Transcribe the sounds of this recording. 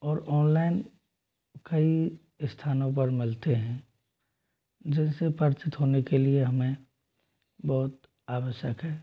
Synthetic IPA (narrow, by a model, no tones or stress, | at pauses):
ɔːɾɔːnlaːɪn | kɐi | st̪ʰaːnõpɐɾmɪlt̪eɦɛ̃ː | d͡ʒɪnsepəɾt͡ʃɪt̪ɦoːnekelieɦɐmẽ | bɔːʊt̪ | aːwəʃjəkɦɛː